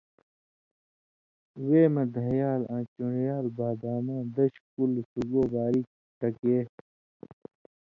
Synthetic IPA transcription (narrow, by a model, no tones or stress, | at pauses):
weːmɐ̃d̪ʱɐjaːlãːt͡ɕuɳjaːlbaːbaːmãːd̪ɐɕkulsuɡoːbaːɾi | ʈɐkeː